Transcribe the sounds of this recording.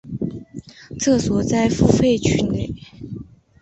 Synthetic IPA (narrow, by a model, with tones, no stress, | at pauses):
t͡sɤ˥˩swɔ˨˩t͡sa˥˧ɪfu˥fe˥˧ɪt͡ɕʰy˥˩ne˥˩ɪ